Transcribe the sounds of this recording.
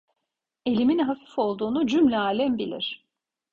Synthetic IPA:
e̞lʲiminɦafi̥fo̞lˠd̪uːnud͡ʒymlʲɛaːlʲɛmbilʲḭɾ̝̥

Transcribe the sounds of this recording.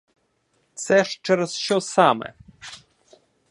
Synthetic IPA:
t̪sɛʂt͡ʂɛɾsɕɔ̃samɛ̰

